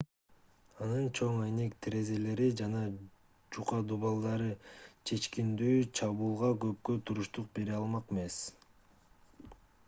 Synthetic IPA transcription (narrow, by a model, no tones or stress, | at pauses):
ɑnɯnt͡ʃʰo̞ŋɑjne̞kt̪ʰɾe̞ze̞le̞ɾid͡ʒɑnɑ | d͡ʒuqɑd̪uβɑlˠd̪ɑɾɯt͡ʃʰe̞t͡ʃkind̪yːt͡ʃʰɑβuːlˠʁɑɡø̞p̚køt̪ʰuɾuʃt̪uq̚be̞ɾiɑlˠmɑqeme̞s